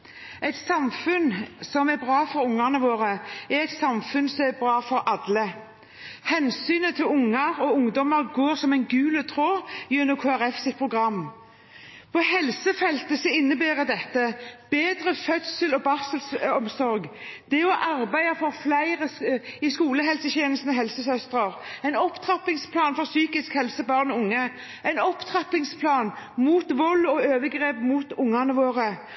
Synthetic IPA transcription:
æɪt̪sɑmfʉnsɔmæbʁɑːfɔɾʊŋːɑnəʋoːʁəæɾɛɪt̪sɑmfʉnsɔmæbɾɑːfɔɾɑd̪lə | hɛnsyːnət̪ʰɪlʊŋːəɾɔʊŋd̪ɔməɾɡoːɾsɔmæɪnɡʉːlət̪ʰɾoːjʉnːʊmkʰoːæɾɛfsɪt̪̚pʰʁʊɡʁɑmː | pʰɔhɛlsəfɛlt̪əsɛɪnːəbæːɾəd̪ɛt̪ːəb̥eːd̪ʁəfœt̪səlɔbɑsəlsɔmsɔɾɡd̪̥ɛɔʔɑɾbæɪɑfɔɾflæɪʁəɪskuːləɦɛlsəçeːnəlsn̩əɦɛlsəsœst̪ʁəʁæɪnɔpt̪ʰʁɑpɪŋspʰlɑːnfɔʁsyːkɪskhɛlsəbɑʁnɔʊŋːə | æɪnɔpt̪ʰʁɑpɪŋspʰlɑːnmuːt̪ʋɔlːɔøːʋəɡʁeːpmuːt̪ʊŋːɑnəʋoːʁə

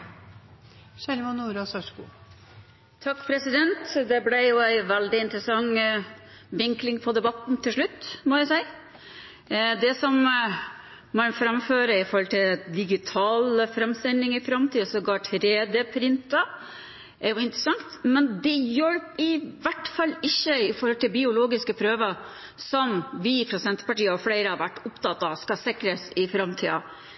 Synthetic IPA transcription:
ʃɛlmʊnːuːɾɑsœʂkṵː | t̪ʰɑkːpʰɾɛsɪd̪ɛnt̪d̪ɛblɛjʊæɪʋɛld̪ɪɪnt̪ɾəsɑŋː | ʋɪŋklɪŋpʰɔd̪ɛbɑt̪n̩t̪ʰɪlʂɭʉt̪ːmɔjæsæɪ | d̪ɛsɔm | mɑnfɾɑmføːɾəɪfɔɾhɔlt̪ʰɪld̪ɪɡɪt̪ʰɑːlfɾɑmst̪ɛlnɪŋɪfɾɑmt̪ʰiːɑsɔɡɑːʈʰɾeːd̪əpʰɾɪnt̪ɑ | ʔæɾjʊɪnt̪ɾəsɑŋt̪mɛnd̪ɛjɔlpɪʋæʈfɑlːɪçːəɪfɔɾhɔlt̪ɪlbɪʊloːɡɪskəpʰɾøːʋə | sɔmʋɪpʰɾɔsɛnt̪pɑʈiːəɔflæɪɾəɑʋæʈːʊpt̪ɑt̪ːɑskɑsɪkɾəsɪfɾɑmt̪ʰḭːɑ̰

